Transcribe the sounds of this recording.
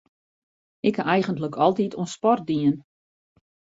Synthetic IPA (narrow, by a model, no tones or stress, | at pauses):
ɪkaʔɛjɣəntləkʰɔlˠtitʰoənspɔr̚diən